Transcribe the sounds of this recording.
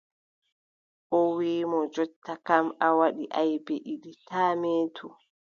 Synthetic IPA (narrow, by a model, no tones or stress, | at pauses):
ʔɔwiːmɔd͡ʒɔtːakamawaɗiʔajbeʔiɗitaːmeːtʰu